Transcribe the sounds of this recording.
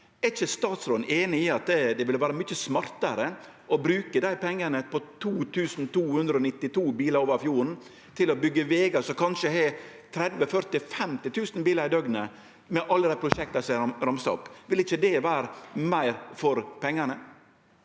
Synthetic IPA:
ɛɾɪçəst̪ɑːt̪sɾoːnʔeːnɪɪɑt̪̚d̪ɛd̪ɛʋɪlʋæːɾəmʏçəsmɑɾt̪əɾə | ʔɔbɾʉːkəd̪æɪpʰɛŋːənəpɔt̪ʰuːt̪ʰʉːsn̩t̪ʰuːhʉnd̪ɾəɔnɪt̪ːɪt̪ʰuːbiːləɾoːʋəɾfjuːɾn | t̪ʰɪlɔbʏɡːəʋeːɡɑsɔkʰɑnʃəɦɛ | t̪ʰɾɛd̪ʋəfœɾt̪ɪfɛmt̪ɪt̪ʰʉːsn̩biːləɾɪd̪œɡnə | mɛʔɑlːəd̪æɪpʰɾʊʂɛk̚t̪ɑsɾɑmst̪ɔ̰pʋɪlɪçəd̪ɛʋæːɾəmæɪɾfɔɾpʰɛŋːənə

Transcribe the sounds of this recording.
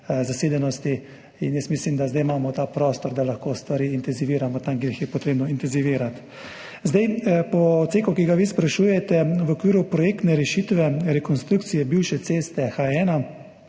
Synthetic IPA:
zaseːd̪ɛnɔst̪i | ḭnjəsmislimd̪azd̪ajmaːmɔt̪aːpɾɔːst̪ɔɾd̪alaxkoːst̪ʋaɾiːint̪ɛnziʋiːɾamɔt̪amkeɾixjɛpɔt̪ɾeːbnɔint̪ɛnziʋiːɾat̪ | zd̪ajpɔt̪seːkɔkiɡaʋispɾaʃuːjɛt̪ɛʋɔkʋiːɾupɾɔjeːk̚t̪nɛɾɛʃit̪ʋɛɾɛkɔnst̪ɾukt̪sijɛbiwʃɛt̪seːst̪ɛxaɛːna

